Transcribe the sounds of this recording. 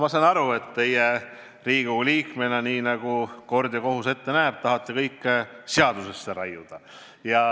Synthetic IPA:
mɑsɑnɑɾue̞t̪ːe̞je | riːɡ̥uliːkme̞nɑniːnɑɡ̥uko̞rd̪jɑko̞ɦuse̞t̪ːe̞næːb̥̚t̪ɑɦɑt̪ːekɤjkːˑseɑd̪̥use̞sːeɾɑjud̪̥ɑ | jɑ

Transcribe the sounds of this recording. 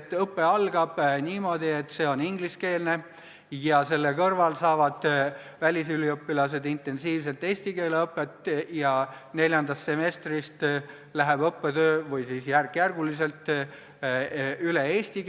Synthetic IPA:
t̪ːˑɤpːe̞ɑlɡ̥ɑb̥niːmo̞ːd̪̥ie̞t̪ːˑse̞ːo̞niŋɡliske̞ːlne | jɑse̞lːekɤrvɑlsɑːvɑd̪̥vælʲisyliɤpːilɑse̞d̪int̪ːˑe̞nsiːvse̞lt̪ːˑe̞ːsʲt̪ike̞ːleɤpːˑe̞t̪ːˑjɑ | ne̞lʲjɑnd̪ɑst̪ːse̞me̞st̪rist̪ | læɦeb̥ɤpːet̪øːvɤjsiːsjærkjærɡ̥ulise̞lt̪ˑ | ylee̞ːst̪ik

